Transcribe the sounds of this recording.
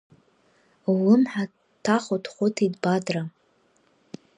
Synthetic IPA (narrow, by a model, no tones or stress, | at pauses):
lɨmħa | tʰaχotʰχʷʊtʰidbadra